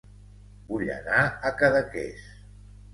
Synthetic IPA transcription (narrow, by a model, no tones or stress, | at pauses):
buʎə̰naəkəðəkḛs